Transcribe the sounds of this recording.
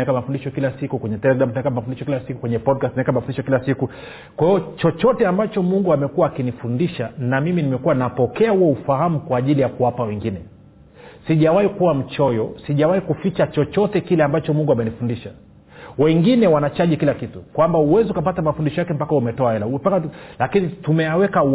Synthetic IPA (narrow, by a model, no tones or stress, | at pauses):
ɛkamafundiʃɔkilasikukwɛɲɛtɛlɛɡɾam̩tunaɛkamafundiʃɔkilasiku̥kwɛɲɛpɔd̚kastunaɛɛkamafundiʃɔkilasiku | kwahiɔt͡ʃɔt͡ʃɔtɛambat͡ʃɔmuŋɡuamɛkuwaːkinifundiʃanamiminimɛkuwanapɔkɛahuɔufahamukwaːʄilijakuwapawɛŋɡinɛ | siʄawaikuwam̩t͡ʃɔjɔsiʄawaikufit͡ʃat͡ʃɔt͡ʃɔtɛkilɛambat͡ʃɔmuŋɡuamɛnifundiʃa | wɛŋɡinɛwanat͡ʃaʄikilakitukwambauwɛziukapatamafundiʃɔjakɛm̩pakaumɛtɔaɛlaupakalakinitumɛjawɛka